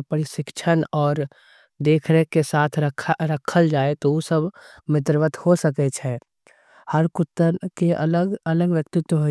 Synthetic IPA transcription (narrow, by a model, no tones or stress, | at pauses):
pəɾiʃɪkt͡ʃʰənɔːɾ | d̪eːkʰɾekesaːt̪ʰɾəkʰɾəkʰəld͡ʒaːet̪oosəbmɪt̪̬ɾʋət̪hosəket͡ʃʰɛ | həɾkʊt̪ːəɾkeʔələɡələɡʋjək̚t̪ɪt̪wɦo